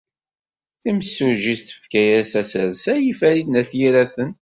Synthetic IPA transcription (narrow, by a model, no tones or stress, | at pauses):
θiməsːuʒiθt̪ːə̥fkæjæsæsəɾsæjifæɾid̪næθjiɾæθən